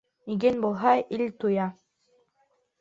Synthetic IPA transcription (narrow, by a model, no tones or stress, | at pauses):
iɡenbulˠɦɑilʲt̪ujɑ